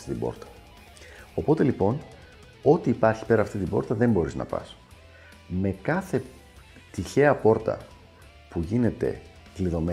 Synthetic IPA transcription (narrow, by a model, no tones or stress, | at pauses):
t̪it̪ibo̞̰ɾt̪ɐ̥ | o̞po̞t̪e̞lipo̞n | o̞t̪iːpɐɾçi̥pe̞ɾɐft̪it̪ibo̞ɾt̪ɐðe̞mbo̞ɾiznɐ̰pɐ̰s | me̞kɐθe̞ | t̪içe̞ɐpo̞ɾt̪ɐ̰ | puʝine̞t̪e̞̰ | kliðo̞me